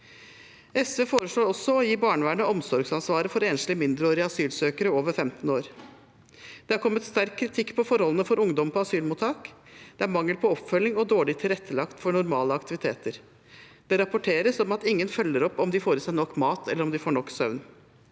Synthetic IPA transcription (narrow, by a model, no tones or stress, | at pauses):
ɛsʋeːfoːɾəʂɭoːɾɔsːɔɔjiːbɑːɳʋæːɳəɔmsɔɾɡsɑnsʋɑːɾəfɔɾeːnslɪmɪnd̪ɾəoːɾɪɑsyːlsøːkəɾəoːʋəɾfɛmt̪n̩oːɾ | d̪̥ɛhɑɾkʰɔmːət̪st̪æɾkʰːɾɪt̪ʰɪkːpʰɔfɔɾhɔlən̩əfɔɾʊŋd̪ɔmpʰɔɑsyːlmuːt̪ʰːɑːk | d̪̥ɛæɾmɑŋːəlpʰɔɔpːfœlːɪŋɔd̪oːɭɪt̪ʰɪlɾɛt̪ʰːəlɑkt̪fɔɳʊɾmɑːləɑkt̪ɪʋɪt̪ʰḛːt̪əɾ | d̪̥ɛɾɑpʊʈʰeːɾəsɔmɑt̪ɪŋːənfœlːəɾɔpːɔmd̪ɪfoːɾəsæɪnɔkːmɑːt̪ʰɛlːəɾɔmd̪ɪfoːɳɔkːsœʋn